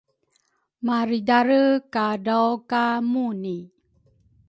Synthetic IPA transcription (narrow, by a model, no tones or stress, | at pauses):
maɾidaɾəkadawkamuni